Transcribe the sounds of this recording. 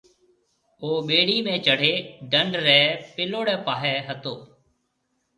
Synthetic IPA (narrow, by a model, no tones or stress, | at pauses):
oːɓeːɽiːmẽːt͡ʃəɽ̤eːɖəɳɖɾɛːpɪloːɽɛ̃ːpaːɦɛːɦət̪oː